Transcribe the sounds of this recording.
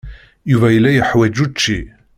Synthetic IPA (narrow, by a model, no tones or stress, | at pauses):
juvæjəlːæjəħwæd͡ʒut͡ʃːi